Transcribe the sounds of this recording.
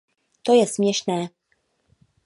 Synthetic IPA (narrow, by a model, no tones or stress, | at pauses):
t̪ojɛsmjɛʃnɛː